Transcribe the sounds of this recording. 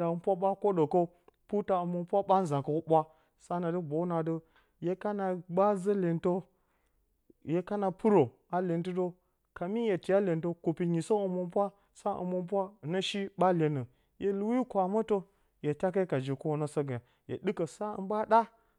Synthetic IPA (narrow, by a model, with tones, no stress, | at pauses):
a˨ɨ˨mpʷa˦ɓa˦ko˦də˨kə˦ | pu˦ta˨ɨ˨mo˨mpʷa˦ɓa˦n˦za˨kə˦wo˦ɓʷa˦ | sa˦na˨də˦bʷo˨˦na˨də˦ | je˦ka˦na˨ba˦zə˦le˨nto˦ | je˨ka˦na˨pɨ˦ɾo˨ | a˨le˨ntɨ˦do˦ | ka˨mi˦je˨ti˨ja˦le˨nto˦ku˨pi˨ɲi˨so˦ɨ˨mo˨mpʷa˦ | sa˦ʔɨ̰˨mo˨mp̬ʷa˦˨nə˦ʃi˦ɓa˦le˨nə˨ | jʔe˨lu˦wi˦kʷa˨mə˦to˦ | je˨ta˦ka˦ka˨d͡ʒe˨ko˦wo˦nə˦sə˦ɡa˨ | jḛ˨ɗɨ˦kə˨sa˦ɨ̰˨ɓa˦ɗa˦